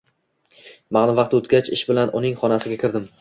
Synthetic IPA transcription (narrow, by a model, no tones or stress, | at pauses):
maʁnɪvɑqt̪ot̪ɡʲat͡ʃɪʃbɪlanʔʊnɪŋχɒnasɪɡʲakʲɪɾd̪ɪm